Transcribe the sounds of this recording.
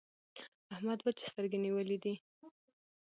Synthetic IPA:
ahmad̪̚bat͡ʃe̥st̪əɾɡeniwəlid̪i

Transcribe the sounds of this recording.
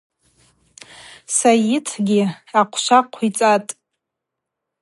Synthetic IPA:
sajɪtʰɡʲɪaqʷʰʃʷaqʷʰit͡sʼatʼ

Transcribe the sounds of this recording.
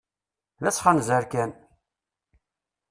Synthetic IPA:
ðæt͡sːχanzəɾkæn

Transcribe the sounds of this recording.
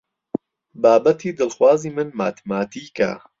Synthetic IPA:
baːbɐt̪ʰiːd̪ɨlxwaːziːmɨnmaːt̪ʰmaːt̪ʰiːka̰

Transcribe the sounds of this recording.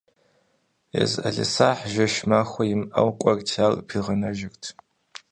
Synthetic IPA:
jḛzɐɮɪ̰saːħʒɐʃmaːxʷɐjɪmʔɐ̰wkʷʼɐrtʰalpʰiʁɐnɐʒɪrtʰ

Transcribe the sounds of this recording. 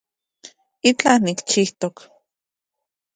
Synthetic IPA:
it͡ɬanikt͡ʃiht̪ok

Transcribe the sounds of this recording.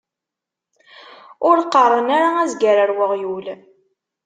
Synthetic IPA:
ʊɾqərˤːənaɾaæzɡaɾaɾwəʁjul

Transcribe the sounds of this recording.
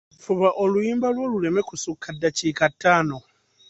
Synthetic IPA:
fuβaʔolujiːmbalwo̞ːlule̞me̞kusukʰːadːaciːkatʰːaːno̞

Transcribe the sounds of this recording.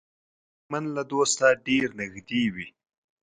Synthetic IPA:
manlad̪oːst̪aɖeɾnɪxd̪iwi

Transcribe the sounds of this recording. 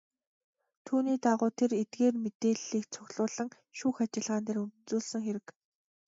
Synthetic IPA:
t̪ʰuːniːt̪aʁʊːt̪ʰeret̪ɡeːrmet̪eːɮiːk̚t͡sʰʊɣʲɮʊːɮə̆ŋ | ʃuːxat͡ɕɪ̆ɮʁaːnt̪eːɾunt͡suːɮsə̆ŋxeɾɘ̆k

